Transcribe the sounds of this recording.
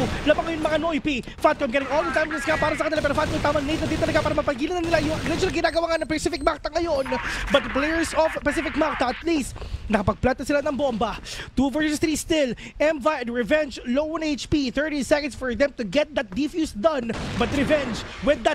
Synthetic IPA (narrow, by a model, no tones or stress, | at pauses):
labaŋːɐjʊŋmɐŋanoʔipi | fat̪̚kɔjmɡɛɾɪ̃ŋold̪ɐt̪ajmɛskapaːɾɐsɐkɐnɪlapɛːɾofat̪̚kojmt̪aːmɐnejt̪nɐd̪int̪ɐlɐɡapaːɾɐmɐpɐɡiːlɐnɐnɪlajʊŋɐɡɾɛd͡ʒʊlaŋɡɪnaːɡɐwaːŋɐnɐŋpɐsɪfɪk̚mak̚t̪ɐŋɐjonbɐt̪̚d̪ɐplɛjɛɹsɔvpɛsɪfɪkmak̚t̪ɐɐt̪list̪nɐkɐpɐɡ̚plant̪ɐsɪlanɐŋbombɐt̪uvɛɹssɔsθɾiːst̪ɪlɛ̃mvajd̪ɹɛvɛnd͡ʒlowɐnejt͡ʃpiθɛ˞ɾisɛkɐnd̪sfɔɹðɛ̃mt̪ʊɡɛt̪̚d̪ɐt̪̚d̪ifjusd̪ɐ̃nbɐt̪ɾɛvɛ̃nd͡ʒwɪd̪ːɐt̪̚